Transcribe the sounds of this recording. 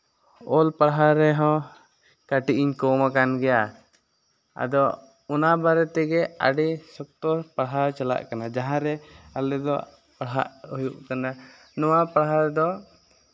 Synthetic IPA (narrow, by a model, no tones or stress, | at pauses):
ɔlpaɽɦaɾɛɦɔ̃ | kaʈiʔiɲkɔmakanɡɛja | a̰d̪ɔ | unabaɾɛt̪ɛɡɛa̰ɖɛsɔk̚t̪ɔpaɽɦaɾt͡ʃala̰ʔkanad͡ʒaɦãɾɛalɛd̪ɔ | paɽɦa̰ʔhujuʔkana | nɔwapaɽɦaɾɛd̪ɔ